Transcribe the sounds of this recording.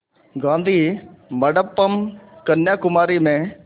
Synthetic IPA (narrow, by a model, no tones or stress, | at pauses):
ɡãːnd̪ʱiːmɐɽəpːəmkɐnjaːkʊmaːɾimẽ